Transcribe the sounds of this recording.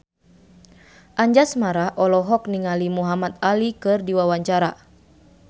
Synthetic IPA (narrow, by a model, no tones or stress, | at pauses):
ʔaɲd͡ʒasmaɾahʔɔlɔɦɔk̚niŋalimuɦamat̪̚alikɨrdiwawaɲt͡ʃaɾa